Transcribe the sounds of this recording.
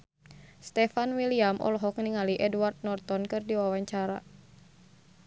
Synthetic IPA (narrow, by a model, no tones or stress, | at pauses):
st̪ɛfanwiliamʔɔ̰lɔɦɔkniŋaliʔɛduwart̪̚nɔrt̪ɔnkɨrdiwawaɲt͡ʃaɾa̰